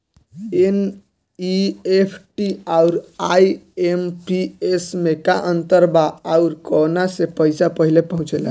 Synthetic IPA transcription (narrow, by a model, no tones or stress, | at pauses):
en | iepʰʈiauɾajempiesmekaʔənt̪əɾbaauɾkonasepəjsapəɦilepəɦũt͡ʃela̰